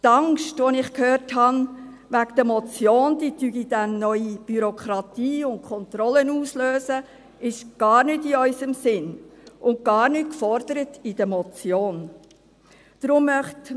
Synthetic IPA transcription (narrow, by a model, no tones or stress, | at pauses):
t̪ɑŋʃtʋonɪχkhøːɾthɑn | ʋækd̥̪əmɔt͡sjoːnd̥̪iːtyɡid̥ænːœʏib̥yɾɔkχɾɑt̪iːʊnt̚kʰɔnt̪ɾɔlənuːsløːzə | ɪʃɡ̥ɑːɾnʏtiœʏsəmsɪnʔʊnt̚ɡ̥ɑːɾnyt̚kfɔɾd̥̪əɾətid̥əmɔt͡sjoːn | d̥ɾʊmːœχt